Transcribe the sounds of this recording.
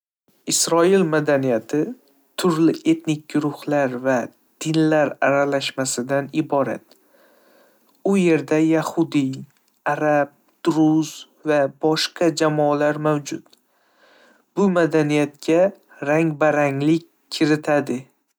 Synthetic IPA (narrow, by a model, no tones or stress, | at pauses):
ɪsɾɒilmad̪anijat̪ʰɪ | t̪ʰʊɾlɪʔe̞t̪nɪk̚ʲɡʊɾʊhlaɾva | d̪̥ɪnlaɾa̰ɾalaʃmasɪd̪anɪbɒɾa̰t̪ | ʊje̞ɾd̪ajahʊd̪i | aɾab̚ | d̪̥ʊɾʊz | vabɒʃqʰɑd͡ʒamɒlaɾmawd͡ʒʊt̪ | b̥ʊmad̪anijat̪kʲa | ɾaŋbaɾaŋlɪkʲʰːɪɾɪt̪ʰad̪ɪ